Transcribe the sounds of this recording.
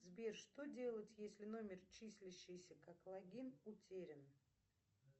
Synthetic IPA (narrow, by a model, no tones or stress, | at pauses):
zbʲerʂt̪odʲe̞lˠətʲjesʲlʲɪno̞mʲɪrt͡ɕisʲlʲɪɕːɪjsʲəkaklˠɐɡʲinʊtʲeɾʲɪn